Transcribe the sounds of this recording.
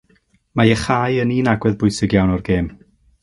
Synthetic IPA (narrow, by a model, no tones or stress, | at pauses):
majəχaːjəninaɡwɛðbʊjsɪɡjawnɔrɡeːm